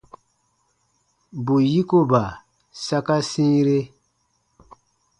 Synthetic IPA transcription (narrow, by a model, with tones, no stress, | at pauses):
bu˨ji˦ko˦ba˨ | sa˦ka˦sĩ˦ɾe˦